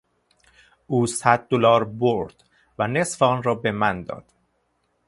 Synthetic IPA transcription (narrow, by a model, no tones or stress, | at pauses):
uːsæd̪̚ːolɒːɾboɾd̪̥ | væne̞sfɒnrɒːbemænd̪ɒ̰ːd̪̥